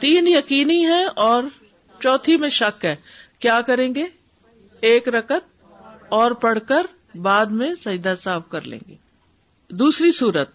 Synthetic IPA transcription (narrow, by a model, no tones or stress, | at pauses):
t̪iːnjɐkiːniɦɛ̃ɔːɾ | t͡ʃɔːt̪ʰimẽʃɐkɦɛː | kjaːkɐɾẽːŋɡeː | eːkɾɐkət̪̚ | ɔːɾpɐɽ̤kəɾ | baːd̪mẽsɐ̃d͡ʒd̪asaːfkɐɾlḛ̃ːŋɡḛː | d̪uːsɾisuːɾət̪̚